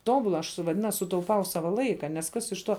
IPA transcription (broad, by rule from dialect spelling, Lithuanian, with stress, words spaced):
ˈtoːbʊlˠɐ ɐʃ ˈsʊ ʋɐˈdʲɪnɐs sʊtɐʊˈpɐʊ ˈsɑːʋɐ ˈlˠɐɪkɐ nʲɛs ˈkɐs ɪʃ ˈtuɔ